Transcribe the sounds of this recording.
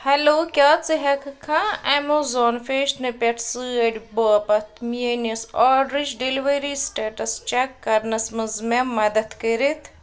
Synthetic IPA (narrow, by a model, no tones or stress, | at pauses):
hɐloːkʲjaːt͡sɨɦɐkkʰːãːɛmozɔːnfeːʃʈnɨpʲɐʈsɨɐɖʲboːɐpɐt̪ʰmijenɐsɔːɖɾid͡ʒɖeliʋɐɾisʈeːʈɐst͡ʃekːɐɾnɐsmɐzmemɐd̪ɐt̪kɐɾit̪ʰ